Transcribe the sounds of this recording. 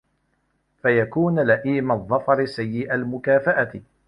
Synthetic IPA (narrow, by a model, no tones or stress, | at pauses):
fajakuːnlaʔiːmaðˤːɑfɑɾɪsajːɪʔalmʊkaːfaʔat̪ɪ